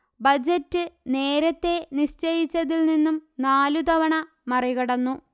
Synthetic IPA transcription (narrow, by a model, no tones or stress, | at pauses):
bɐd͡ʑɐtːɨne̞ːɾɐt̪ːe̞niɕt͡ɕɐjit͡ɕːɐðilninːumnaːlud̪ɐʋɐɳɐ | mɐriɣɐɽɐnːu